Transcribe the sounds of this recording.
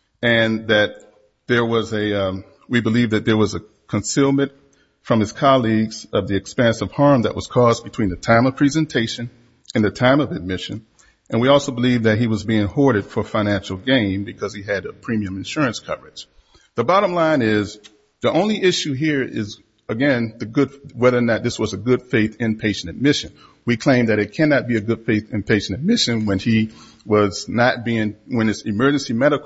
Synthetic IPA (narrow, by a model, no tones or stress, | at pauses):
ɨ̃nðɨt̪̚ | ðə˞wʌzɨʌ | wibəlivðɨt̪̚ðə˞wʌzɨ | kʰɨ̃nsilˠmɨ̃nt | fɹʌ̃mɨz̥kʰɑlˠiɡz̥ʌvðiɨkspɛ̃nsʌv̥hɑɹmðɨʔ̚wʌz̥kʰɔzb̥ɨtʰw̥ĩnðɨtʰãɪ̃mʌv̥pʰɹ̥izɨ̃ntʰeɪʃɨ̃n | ɨ̃nðɨtʰãɪ̃mʌvɨd̚mɪʃɨ̃n | ʔɨ̃nwiɔlˠsoʊbəlivðɨt̚hiwʌzbiɪ̃ŋhɔɹɾɨd̥fə˞fãɪ̃næ̃nʃl̩ˠɡẽɪ̃mbɨkʰʌz̥iɨɾɨpʰɹ̥ĩmiɨ̃mɨ̃nʃʊɹɨ̃nskʰʌvə˞ɨd͡ʒ̥ | ðəbɑɾə̃mlãɪ̃nɪz | ðiʔõʊ̃nliʔɪʃʉɦiɹɪ̰z | ɨɡɛ̃nðɨɡʊd̥wɛðə˞nɨt̪̚ðɪswʌzɨɡʊd̥feɪθɨ̃npʰeɪʃɨ̃n̩ɨmɪʃɨ̃n | wikʰl̥ẽɪ̃mðɨɾɨt̚kʰænɨt̚b̥iɨɡʊd̥feɪθɨ̃npʰeɪʃɨ̃n̩ɨmɪʃɨ̃nwə̃ni | wʌznət̚b̥iɪ̃ŋwɨ̃nɨtsɨmɜ˞d͡ʒɨ̃nsimɛɾək